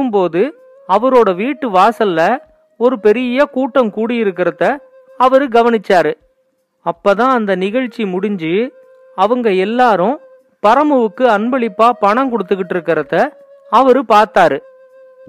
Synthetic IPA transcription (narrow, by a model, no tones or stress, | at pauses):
ɯmpoːðɯ | ɐʋɐɾoːɽɐʋiːʈːɯʋaːsɐlːɐ | ɔɾɯpɛɾɪjɐkuːʈːɐmkuːɽɪjɪɾɯk̬ːɪɾɐðɐ | ɐʋɐɾɯɡɐʋɐnɪt͡ʃːaːɾɯ | ɐpːoːt̪ãːɐnd̪ɐnɪɣɐɻt͡ʃːimʊɽɪɲd͡ʒɯ | ɐʋɐŋɡɐɛlːaːɾʊ̃ | pɐɾɐmɐʋɯkːɯɐnbɐɭɪpːaːpɐɳɐmkɔɽɯt̪ːɯkːɪʈːɪɾɯkːɪɾɐðɐ | ɐʋɐɾɯpaːɾt̪aːɾɯ